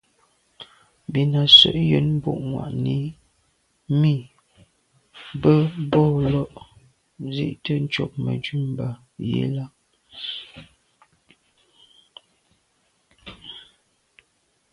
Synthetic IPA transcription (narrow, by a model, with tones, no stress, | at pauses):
bi˨na˨sə̰˦˨ʔjə˨˦nm˦bo̰˦˨ʔŋwa̰˨ʔni˨˦ | mi˦˨ | bə˦bɔ˦˨lɔ˦ʔ | zḭ˦ʔtə˦n̩˦t͡ʃo˨k̚mə̰˨d͡ʒʉ˦˨m˨ba˨ | jḛ˦la˦